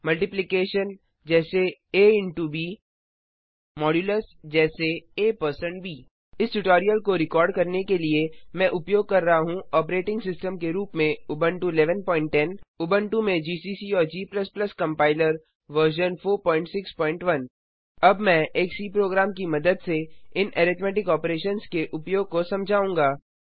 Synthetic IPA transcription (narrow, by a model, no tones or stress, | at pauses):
mɐlʈɪplɪkeːʃən | d͡ʒɛːseeːɪ̃ɳʈubiː | mɔːɖjuːləsd͡ʒɛːseeːpɐɾsə̃ɳʈbʱiː | ɪsʈʊʈɔːɾijəlkoɾɪkɔːɾɖkɐɾnekeliemɛ̃ʔʊpjoːɡ̚kɐɾːɐɦaɦũɔːp̬ɾeːʈɪ̃ŋɡsɪsʈəmkeɾuːpmẽʊbə̃ɳʈuɪlɛːʋənpɔːɪ̃ɳʈːɛ̃ːnʊbə̃ɳʈumẽd͡ʒiːsiːsiɔːɾd͡ʒiːplɐsplɐskɐ̃mpaːɪləɾ | ʋəɾʃ̬ənfoːɾpɔ̃ːɪ̃ɳʈsɪkspɔːɪ̃ɳʈʋɐn | ɐbmɛ̃ʔeːksiːpɾoːɡɾaːmkimɐd̪əd̪seɪnʔeːɾɪt̪mɛːʈɪkɔːpɾeːʃənskeʔʊpjoːɡ̚kosɐ̃md͡ʒʱaːũːŋɡaː